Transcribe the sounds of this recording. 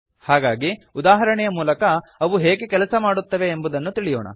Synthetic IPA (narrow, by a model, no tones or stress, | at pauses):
haːɡaːɡiud̪aːɦɐɾɐɳɛjɐmuːlɐkɐːʋuɦeːɡekɛlɐsɐmaːɽut̪ːɐʋe̞ːmbud̪ɐnːut̪iɭijo̰ːɳɐ̰